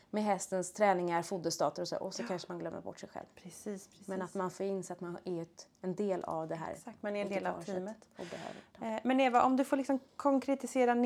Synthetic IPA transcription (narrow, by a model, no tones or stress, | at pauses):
mɛɦɛst̪ənst̪ʰɾɛːnɪŋaɾfud̪əst̪ɑːt̪əɾɔsɔ̰ɾʔɔsɔkʰanʂəmanɡlœmːə̰ɾbɔ̰ʈːʂɛjɧɛ̰lvpʰɾɛsiːsɾmɛnat̪manfoːɾɪnsɛat̪manɛɾɛnd̪eːla̰vd̪ɛɦæ̰ːɾsat̪manɛɾɛnd̪eːlaiːmət̪ɔb̪ɛhø̰vəmɛnɛvaʔɔmd̪ɵfoːɾɭɪksɔmkʰɔŋkɾɛt̪ɪseːɾan